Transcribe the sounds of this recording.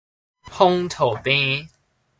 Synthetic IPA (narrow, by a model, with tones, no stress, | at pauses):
hɔ˦ŋt̪ʰo˨˩pĩ˦